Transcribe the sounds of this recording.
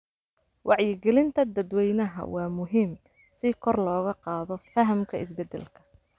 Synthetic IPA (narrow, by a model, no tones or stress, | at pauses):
wɑʕjɪɡɛlɪnt̪ʰɐd̪ɐd̪wɛjnɐɦɐ̰wɑːmʊɦɪm | sɪkʰɔrlɔːɣɐqɑːðɔfɐɦɐmkʰɐɪsbɛd̪ɛ̰lkʰɐ̥